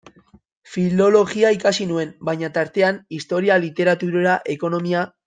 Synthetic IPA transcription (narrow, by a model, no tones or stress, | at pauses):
filo̞lo̞ɣiaikasinue̞mbajɲat̪aɾt̪e̞anist̪o̞ɾialit̪e̞ɾat̪uɾeɾaʔe̞ko̞no̞mia